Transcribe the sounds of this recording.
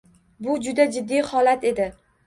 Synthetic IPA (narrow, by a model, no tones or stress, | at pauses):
bʊd͡ʒʊd̪ad͡ʒɪd̪ːijhɒlat̪ʰe̞d̪ɪ